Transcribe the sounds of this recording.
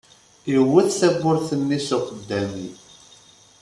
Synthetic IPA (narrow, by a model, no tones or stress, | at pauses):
jiwːəθθæbːʊɾθənːisuqəd̪ːæni